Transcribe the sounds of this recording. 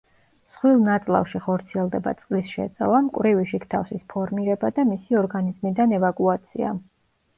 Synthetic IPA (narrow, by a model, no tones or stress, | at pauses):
sχwilˠnat̪sʼlˠa̰fʃiχɔɾt̪sʰiɛlˠd̪ɛba̰t̪sʼlisʃɛ̰t̪sʼɛ̰lˠamkʼwɾiviʃikʰt̪ʰafsispʰɔɾmiɾɛbad̪amisiɔɾɡanizmid̪anɛvakʼuat̪sʰḭa̰